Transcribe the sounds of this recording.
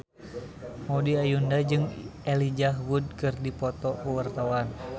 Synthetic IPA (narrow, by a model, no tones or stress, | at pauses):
modiajundad͡ʒɨŋɛlid͡ʒaɦwud̚kɨrdipɔt̪ɔkuwart̪awan